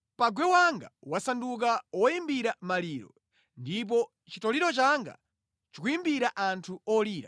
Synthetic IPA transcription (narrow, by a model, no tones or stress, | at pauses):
paɡwɛwaŋɡawasanduk̬awɔjimbiɾamaliːɾɔ̰ | ndip̬ɔ | t͡ʃitɔliɾɔt͡ʃaŋɡa̰ | t͡ʃikujimbiɾaʔantʰuɔliːɾa̰